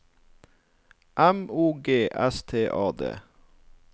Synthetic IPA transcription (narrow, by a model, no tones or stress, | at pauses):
ʔæmuːɡeːʔɛst̪ʰeːʔɑːd̪ḛː